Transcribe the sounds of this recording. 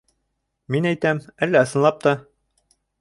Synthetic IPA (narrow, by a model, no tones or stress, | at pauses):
minæjt̪æmælːæɤ̆sɤ̆nlˠɑp̚t̪ɑ